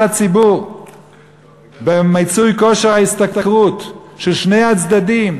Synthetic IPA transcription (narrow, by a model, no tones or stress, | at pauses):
at͡sibuʁ | bemajt͡sujkoʃeʁhaist̪akakʁut̪ʃelʃne̞jhat͡sd̪ad̪im